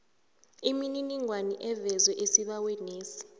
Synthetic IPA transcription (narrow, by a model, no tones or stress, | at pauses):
imininiŋwaniʔɛvɛzwɛʔesiɓawɛneːsi̥